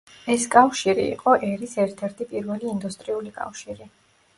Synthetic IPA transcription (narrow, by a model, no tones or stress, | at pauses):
ɛskʼafʃiɾḭḭqʼɔʔɛɾisɛɾt̪ʰɛɾt̪ʰipʼiɾvɛliːnd̪ust̪ʼɾiulikʼa̰fʃiɾi